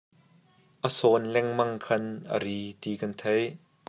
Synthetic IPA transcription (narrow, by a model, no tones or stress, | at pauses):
ʔəsɔːnlɛŋmɐŋkʰɐnʔə̰ɾiːt̪iːkɐnt̪ʰej